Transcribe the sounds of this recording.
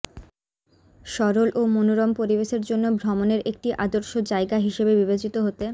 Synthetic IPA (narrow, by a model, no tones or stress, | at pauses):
ʃɔɾolʔomonoɾɔmpoɾibeʃeɾd͡ʑonːobʱɾɔmoneɾek̚ʈiʔad̪oɾʃod͡ʑaeɡaɦiʃebebiβed͡ʑit̪oɦot̪e